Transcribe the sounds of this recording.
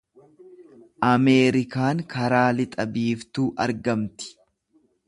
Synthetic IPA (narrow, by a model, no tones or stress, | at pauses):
ʔɐme̞ːɾɪkaːŋkɐɾaːlɪt̪ʼɐbiːft̪uːʔɐɾɡɐmt̪ɪ̥